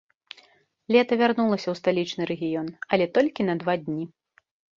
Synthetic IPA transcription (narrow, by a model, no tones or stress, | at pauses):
lʲɛt̪ɐvʲarnulˠɐsʲɐwst̪alʲit͡ʂnɨɾɛɣʲijɔnɐlʲɛt̪ɔlʲkʲin̪ɐd̪vad̪ʲnʲi